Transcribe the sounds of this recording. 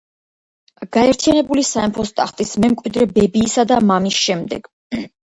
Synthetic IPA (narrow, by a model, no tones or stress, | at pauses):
ɡ̥aɛɾt̪ʰianɛbulisaɛmpʰɔst̪ʼa̰χt̪ʼismɛmkʼwid̪ɾɛbɛbiːsad̪amamisʃɛmd̪ɛ̰ɡ̥